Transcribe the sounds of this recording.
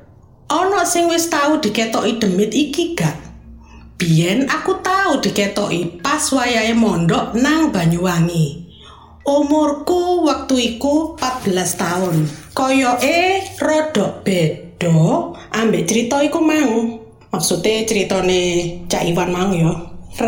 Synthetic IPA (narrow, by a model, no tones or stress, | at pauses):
ʔɔnɔʔsɪŋwɪst̪aud̪̥i̤kɛt̪ɔʔid̪̥ə̤mɪt̪ikiɡ̥aʔ̚b̥i̤ɛnakut̪aud̪̥i̤ket̪ɔʔipaswajaemɔnɖɔʔnaŋb̥a̤ɲuwaŋi | ʔumʊrkuwək̚t̪uikupat̪̚b̥ə̤last̪aʊnkɔjɔʔerɔɖ̥ɔʔb̥eɖ̥ɔʔambeʔt͡ʃəɾit̪ɔikumau | maksut̪et͡ʃəɾit̪ɔnet͡ʃaʔiwanmaujɔ